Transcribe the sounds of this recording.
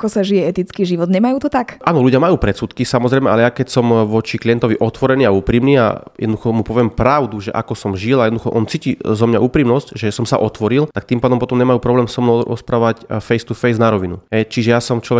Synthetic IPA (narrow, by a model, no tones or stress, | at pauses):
akɔsaʒijɛɛt̪it͡skiːʒiʋɔd̪ɲɛmajuːt̪ɔt̪akʔaːnɔluɟɪamajuːpɾɛt̪suːt̪kisamɔzɾɛjmɛalɛjakɛcsɔmʋɔt͡ʃiklijɛnt̪ɔʋiʔɔt̪ʋɔɾɛniːauːpɾiːmniːa̰jɛd̪nɔd̪uxɔmupɔʋɪɛmpɾaʊd̪uʒɛʔa̰kɔsɔmʒilajɛd̪ɔd̪uxɔ̰ʔɔnt͡siːcizɔmɲaʔuːpɾiːmnɔscʒɛsɔmsa̰ʔɔt̪ʋɔɾilt̪ak̚t̪iːmpaːd̪ɔmpɔt̪ɔmɲɛmajuːpɾɔblɛːmsɔmnɔɾɔ̰spɾaːʋacfɛjst̪ufɛjznaɾɔʋinṵɦɛjt͡ʃiʒɛjasɔmt͡ʃlɔʋɛ